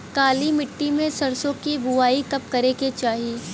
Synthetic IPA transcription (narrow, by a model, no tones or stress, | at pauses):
kaːlimɪʈːimẽsɐɾsõkibʊaːikɐp̚kɐɾeket͡ʃaːɦieː